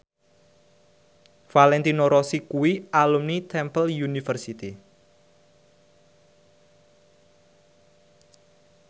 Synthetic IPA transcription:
falɛnt̪inoɾɔsikuwiʔalumnit̪ʰɛmpəljunifərsit̪i

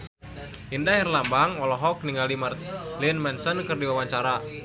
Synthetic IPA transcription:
indaɦɛrlambaŋɔlɔɦɔk̚niŋɡalimərt̪̚linmɛnsənkɨrdiwawaɲt͡ʃaɾa

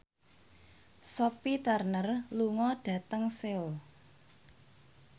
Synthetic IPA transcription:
sopit̪ərnərluŋɔd̥ä̤t̪əŋseʊl

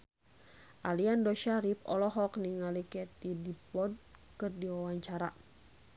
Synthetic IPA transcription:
ʔaliandɔʃaɾipɔ̰lɔɦɔkniŋalikɛt̪idipɔd̚kɨrdiwawaɲt͡ʃaɾa

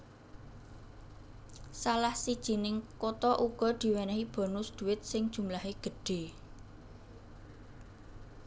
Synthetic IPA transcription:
salahsid̥ʒ̥i̤nɪŋkot̪ɔʔuɡ̥ɔ̤d̪̥i̤wɛnɛɦib̥ɔ̤nʊsd̪̥ṳɪt̪̚sɪŋd̥ʒ̥ṳmlaɦeɡ̥ə̤ɖ̥e̤

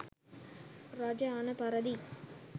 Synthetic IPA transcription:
ɾaːd͡ʒaaːnɐpɐɾɐd̪i

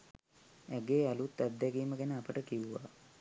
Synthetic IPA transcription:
æɡeːalut̪ːad̪d̪æɡiːməɡænəapəʈəkiʋuʋa̰

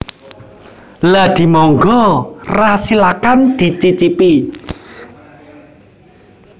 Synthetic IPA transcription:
lad̪̥i̤mɔŋɡɔrasilakand̪̥i̤t͡ʃit͡ʃipi

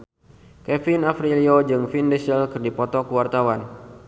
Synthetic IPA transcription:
kɛfinafɾiliod͡ʒɨŋfindɛsɛlkɨrdipɔt̪ɔkuwart̪awan

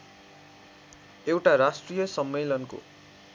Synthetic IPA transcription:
ewʈaɾasʈrijʌsʌmːelʌnko̰

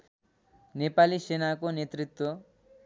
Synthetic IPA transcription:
nepalisenakonet̪rit̪wʌ

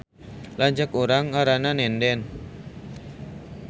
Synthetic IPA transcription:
laɲd͡ʒakoɾaŋaɾananɛndɛn

